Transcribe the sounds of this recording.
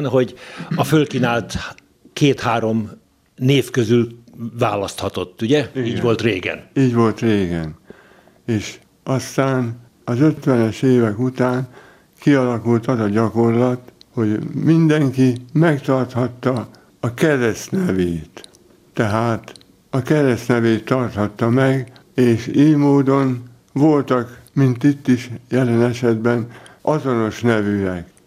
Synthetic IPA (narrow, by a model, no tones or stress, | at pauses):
nɦo̞ɟɒfølkinaːlt̪ | keːt̪haːɾo̞m | neːfkøzylvaːlɒst̪hɒt̪o̞t̪ːuɟɛiiːɟʋolt̪reːɡɛ̰niːɟʋo̞lt̪reːɡɛn | eːʃ | ʔɒst̪aːn | ɒzøt̪ʋɛnɛʃeːvɛkut̪aːn | kiɒlɒkult̪ɒt̪ɒɟɒko̞rlɒt̪ho̞ɟmind̪ɛŋkimɛkt̪ɒrt̪hɒt̪ːɒː | kɛɾɛst̪nɛveːt̪ː | ɛɦaːt̪ | ɒkɛɾɛst̪nɛveːt̪ːɒrt̪hɒt̪ːɒmɛɡ | eːʃeːjmoːd̪o̞n | vo̞lt̪ɒkmint̪it̪ːiʃjɛlɛnɛʃɛd̪bɛnɒzo̞no̞ʃnɛvyɛk